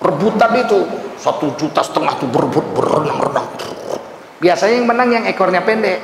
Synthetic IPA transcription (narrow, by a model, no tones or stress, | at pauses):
rəbut̪ːapit̪usat̪ud͡ʒut̪asə̥t̪əŋaht̪ubərəbʊt̪̚bə̰rə̰na̰ŋrə̰na̰ŋt̪ | biasaɲajaŋmənaŋjaŋekɔrɲapɛndɛʔ